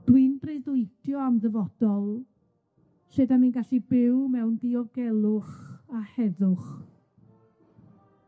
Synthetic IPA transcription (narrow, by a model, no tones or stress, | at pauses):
d̥wɪnbreðʊɨtʰjɔamðəvɔd̥ɔlˠ | sedaminɡaɬibɪwmɛwndiɔɡɛlˠʊχahɛðʊχ